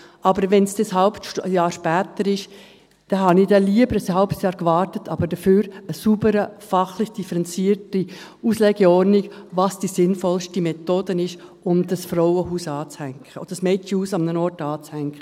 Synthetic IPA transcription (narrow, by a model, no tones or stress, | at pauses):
ʔɑbəɾʋɛnsd̥eshaʊpʃjɑːɾʃpɛːtəɾɪʃ | d̥ɛɦɑnɪd̥ɛliəbəɾəshaʊpsjɑːɾkvɑːɾtətʰɑbəɾdəfyːɾəsubəɾəfɑχlɪçd̥ifəɾɛnt͡siːəɾtiuːslɛɡ̥ɛɔɾniɡvɑsd̥isɪnfɔlʃtimɛtoːd̥ənɪʃʊmdɑsfɾɔʊəhuːsɑːt͡shɛŋkəo̥ɑsmɛtihuːsɑmnənɔɾtɑːt͡shɛŋkχə